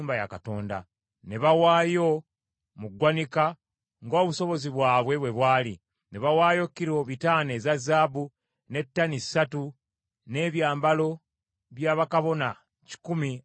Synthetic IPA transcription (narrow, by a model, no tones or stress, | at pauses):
mbaja̰kato̞ːnda̰ | ne̞βawaːjo̞ | muɡwanika | ŋɡo̞ːβuso̞βo̞ziβwaːβwe̞βwe̞βwaːlḭ | ne̞βawaːjo̞kːiɾo̞βitaːne̞ːzazːaːbu | ne̞tːanisatu | ne̞ːβjaːmbalo̞ | βjaːβakaβo̞na | ci̥kumi